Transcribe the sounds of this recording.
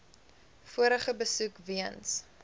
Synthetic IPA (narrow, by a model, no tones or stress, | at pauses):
fuəɾəχəbəsukviəns